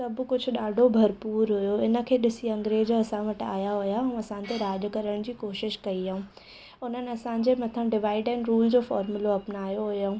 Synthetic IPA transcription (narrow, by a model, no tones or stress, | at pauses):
sɐb̆kʊd͡ʑʱʊɗaːɖʱobʱɐɾpuːɾɦʊjoɪnə̆kʰeːɗɪsiɐ̃ŋɡɾeːd͡ʑɐsãʋɐʈa̰ːjaɦʊjaɦɛ̃ɐsãnt̪eɾaːd͡ʑ̆kɐɾəɽ̃d͡ʑiːkoːʃɪʃkɐiɦaũ | ʊn̤ənɪ̆ɐsãɲd͡ʑemɐt̪ʰə̃ɖɪʋaːɪɖɛnɪ̆ɾuːld͡ʑoːfɔːɾmʊloɐpnaːjoɦʊjaũː